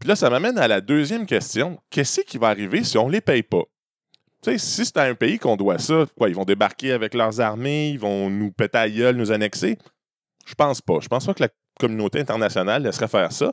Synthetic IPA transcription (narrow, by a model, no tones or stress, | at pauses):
pilʌsamamɛnalad̪øːzjɛmkʲɛst͡s̪jɔ̃kʲɛskʲikʲivaːʁivesiɔ̃lepɛjpʌ | t͡sesise̥t̪ɛɛ̃peikɔ̃d̪wasʌkwaivɔ̃d̪ebaʁkʲeavɛklœːʁzaʁmeivɔ̃nupɛt̪eajœlnuzanɛkse | ʒ̥ə̥pɑ̃ːspʌ̰ʒəpɑ̃spʌkla | kɔmynoːt̪eɛ̃t̪ɛʁnasjʌnalːɛsʁɛfɛːʁsʌ